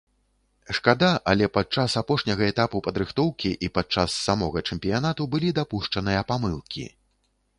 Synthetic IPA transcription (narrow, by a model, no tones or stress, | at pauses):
ʂkad̪aʔɐlʲɛpat͡ʂasapɔʂnʲɐɣɐɛt̪apupɐd̪ɾɨxt̪ɔwkʲiʔipat͡ʂasːamɔɣɐt͡ʂɛmʲpʲijanat̪ubɨlʲid̪apuʂt͡ʂɐnɨjɐpamɨlˠkʲḭ